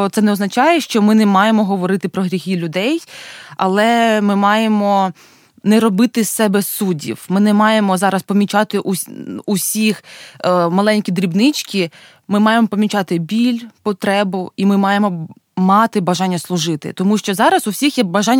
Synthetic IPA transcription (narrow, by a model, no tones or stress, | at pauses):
t̪sɛnɛɔznɐt͡ʃɑjɛʃt͡ʃɔmɪnɛmɑjemɔɦɔʋɔɾɪt̪ɪpɾɔɦɾʲixʲilʲʊd̪ɛjɐ̰lˠɛmɪmɑjemɔ | nɛɾɔbɪt̪ɪsɛbɛsudʲḭwmɪnɛmɑjemɔzɑɾɐspɔmʲit͡ʃɑt̪ɪʔuusʲix | mɐlˠɛnʲkʲid̪ɾʲibnɪt͡ʃkʲi | mɪmɑjemɔpɔmʲit͡ʃɑt̪ɪbʲilʲpɔt̪ɾɛbʊimɪmɑjemɔ | mɑt̪ɪbɐʒɑnʲːɐslˠʊʒɪt̪ɪ̰t̪ɔmuʃt͡ʃɔzɑɾɐzʊwsʲixjɛbɐʒɑnʲː